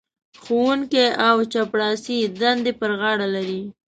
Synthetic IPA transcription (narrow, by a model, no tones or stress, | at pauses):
xowuŋkeawt͡ʃapɽɑsid̪and̪epəɾɣɑɽalaɾi